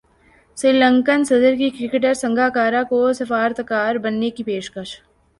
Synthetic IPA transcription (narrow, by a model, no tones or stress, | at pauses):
sɾɪːlə̃ŋkənsɐd̪əɾkikɾɪkeʈ̬əɾsɐ̃ŋɡʱaːkaːɾakosɐfaːɾt̪kaːɾbɐnːekipeːʃkəʃ